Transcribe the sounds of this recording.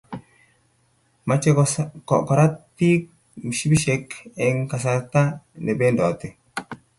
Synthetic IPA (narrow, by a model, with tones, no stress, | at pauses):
ma˨t͡ʃːe˦kkɔ˨ʔpa˨ɾa˦tː | i˦ | m˨ʃi˦biʃekɛŋka˨s̬a˨ɾt̪a˦ne˨be˦ndɔ˨t̪ːe˨